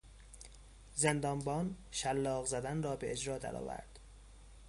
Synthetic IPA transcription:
zend̪ɒːnbɒːn | ʃælːɒːɣzæd̪ænrɒːbeʔed͡ʒɾɒːd̪æ̰ɾɒ̰ːvæ̰ɾd̪̥

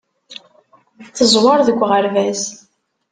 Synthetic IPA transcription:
θəzˤwɑɾˤðəɡʷːʁəɾvæz

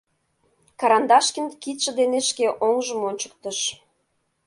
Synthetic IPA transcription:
kɑɾɑnd̪ɑʃkinkit̪ʃə̆d̪eneʃkeʔoŋʒə̆monʲt͡ɕə̥̆k̚t̪ə̆ʃ

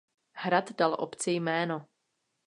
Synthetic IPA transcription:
hɾat̪dalʔo̰pt͡sɪjmɛːno

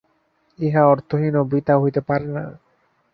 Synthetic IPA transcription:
iɦaɔɾt̪ʰoɦinobɾit̪aɦojt̪epaɾena̰

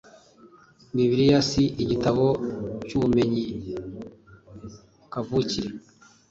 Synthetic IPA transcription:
miβiɾijasiʔiɟitaβocuβume̞ɲi | kavuciɾe

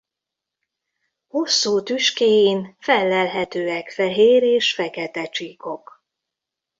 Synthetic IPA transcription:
ho̞sːuːt̪yʃkeːjinfɛlːɛlɦɛt̪øːɛkfɛɦeːɾeːʃfɛkɛt̪ɛt͡ʃiːko̞k

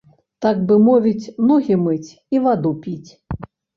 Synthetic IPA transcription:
t̪aɡbɨmɔvʲit͡sʲnɔɣʲimɨt͡sʲ | ivad̪upʲit͡sʲ

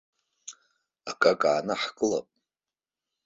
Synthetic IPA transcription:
akʼakʼaːnaħkʼɨla̰pʼ

